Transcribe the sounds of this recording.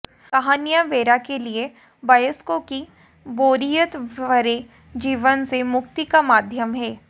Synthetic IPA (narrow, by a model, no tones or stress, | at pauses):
kaɦaːnijaʋeːɾakelie | bɐjəskoki | boːɾijət̪ɐɾe | d͡ʒiːʋənsemʊkt̪ikamaːd̪ʱjəmɦɛː